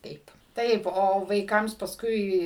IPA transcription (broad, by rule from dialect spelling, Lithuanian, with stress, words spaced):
ˈtɐɪp ˈtɐɪp oː ʋɐɪˈkɐms pɐsˈkʊɪ